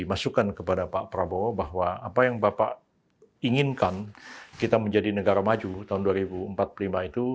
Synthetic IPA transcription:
imasukankəpadapaʔpɾabobaɦwaapajaŋbapaʔ | iŋɪnkankit̪aməɲd͡ʒadinəɡaɾamad͡ʒut̪aʊnduaɾibuəmpat̪̚pəlimait̪u

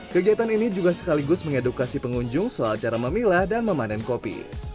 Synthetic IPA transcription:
kəɡiat̪aninid͡ʒuɡasə̥kaliɡʊsməŋedukasipəŋuɲd͡ʒʊŋsoalt͡ʃaɾaməmilahdanməmanɛnkopḭ

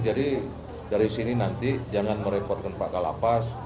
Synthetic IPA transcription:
d͡ʒadi | daɾisininant̪id͡ʒaŋanməɾepɔrt̪̚kanpaʔkala̰pas

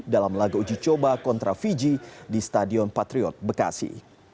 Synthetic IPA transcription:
dalamlaɡaud͡ʒit͡ʃobakɔnt̪ɾafid͡ʒidist̪adiɔnpat̪ɾiɔt̪̚bəka̰sḭ

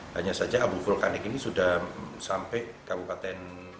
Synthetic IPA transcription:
haɲasad͡ʒaabufʊlkanɛkinisudahsampɛʔkabupat̪ɛn

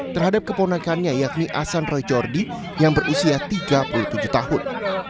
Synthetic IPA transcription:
t̪ərɦadap̚kəponakanɲajak̚niʔasanrɔjd͡ʒɔrdi | jaŋbərusiat̪iɡapuluht̪ud͡ʒʊht̪ahʊn

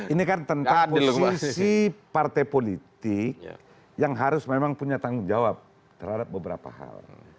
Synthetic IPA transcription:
inikant̪ənt̪aŋdpolsksssipart̪ajpolit̪ɪk | jaŋɦaɾʊsmemaŋpuɲat̪aŋʊnd͡ʒawap̚ | t̪ərhadap̚bəbəɾa̰pa̰ha̰l

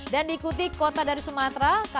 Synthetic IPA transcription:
dandiːkut̪ikot̪adaɾisumat̪ɾaka

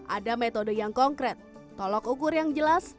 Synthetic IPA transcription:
ʔa̰damet̪odəjaŋkɔŋkɾɛt̪̚ː | ɔlɔkukʊrjaŋd͡ʒəlas

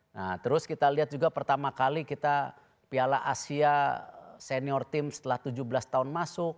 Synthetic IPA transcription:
nat̪əɾʊskit̪aliat̪̚d͡ʒuɡapərt̪amakalikit̪a | pialaʔasia | sɛniɔrt̪ɪmsə̥t̪əlaht̪ud͡ʒubəlast̪aʊnmasʊk̚

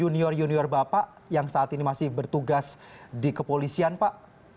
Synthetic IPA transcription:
uniɔrjuniɔrbapaʔ | jaŋsaːt̪inimasɪhbərt̪uɡas | dikəpolisianpaʔ

